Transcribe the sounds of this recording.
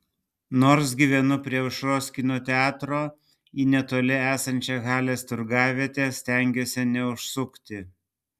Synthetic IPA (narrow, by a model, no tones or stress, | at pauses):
noːɾs̬ɡʲiːʋʲɛnʊpʲɾʲiɛʊʃɾoːsʲkʲɪnʲoːt̪ʲɛɑːt̪ɾoː | iːnʲɛt̪oːlʲɪæːsɐnʲt͡ʃʲɛɣɑːlʲeːst̪ʊɾɡɑːʋʲit̪ʲeːsʲt̪ʲæˑŋʲɡʲoːsʲɛnʲɛʊʃsʊkt̪ʲɪ